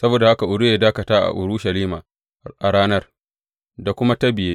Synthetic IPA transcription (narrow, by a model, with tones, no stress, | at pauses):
sɐ˦boː˨da˨ha˦ka˨ʔʊ˨dʊ˦jeː˦daː˦kɐ˨taː˦ʔa̰˨ʔʊ̰˨ɾʊ˦ʃa˨liː˦ma˨ | ʔa˨ɽaː˦nɐ˦r | da˨kʷʊ˦ma˦tɐ˦bɪ˨jeː˦